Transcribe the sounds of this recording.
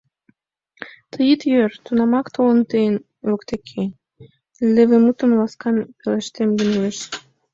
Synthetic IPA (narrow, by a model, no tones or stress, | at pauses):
t̪ʰəjit̪jøɾt̪unɑmɑkt̪ʰoənt̪ejən | økt̪ekʰe | lĕvĕmut̪ə̆mlɑskɑnpeleʃt̪emɡeneʃ